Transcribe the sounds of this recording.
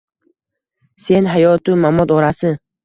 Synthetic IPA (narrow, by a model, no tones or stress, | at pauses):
se̞nɦajɒt̪ʰʊmamɒd̪ɒɾasɪ